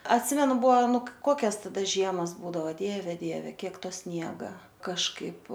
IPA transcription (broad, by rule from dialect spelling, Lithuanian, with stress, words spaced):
ɐtʲˈsʲɪmʲɛnʊ ˈbuɔ ˈnʊ ˈkoːkʲɛs tɐˈdɐ ˈʒʲiɛmɐs ˈbuːdɐʋoː ˈdʲiɛʋʲɛ ˈdʲiɛʋʲɛ ˈkʲiɛk ˈtoː ˈsʲnʲiɛɡɐ kɐʃˈkɐɪp